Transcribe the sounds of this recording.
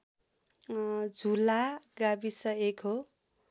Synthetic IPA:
d͡zʱulaɡabisʌekɦo

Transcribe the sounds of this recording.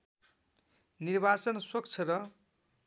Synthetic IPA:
nirbat͡sʌnswʌkt͡sʰʌrʌ

